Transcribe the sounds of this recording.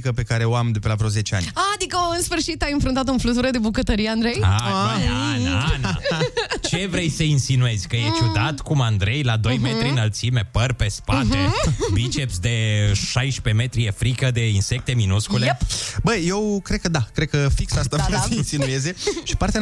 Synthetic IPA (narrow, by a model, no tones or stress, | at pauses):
kəpe̞kaɾe̞oamd̪epəlavɾoze̞t͡ʃea̰nʲad̪ikəɨnsfɨrʃit̪ainfɾunt̪at̪ɨnflut̪uɾəd̪ebukət̪əɾijeand̪ɾejanaana̰t͡ʃe̞vɾe̞jsəinsinue̞zʲkəjet͡ʃud̪at̪kumand̪ɾe̞jlad̪o̞jmet̪ɾiɨnalt̪sime̞pərpespat̪ebit͡ʃepsʲd̪e̞ʃajʃpe̞me̞t̪ɾijefɾikəd̪e̞inse̞k̚t̪e̞minuskulepbəje̞wkɾed̪̚kəd̪akɾed̪̚kəfiksast̪avasəinsinue̞ze̞ʃi̥paɾt̪ea